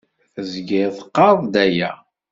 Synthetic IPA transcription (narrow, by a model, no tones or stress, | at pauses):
zɡɪθəqːɑɾðˤd̪æjæ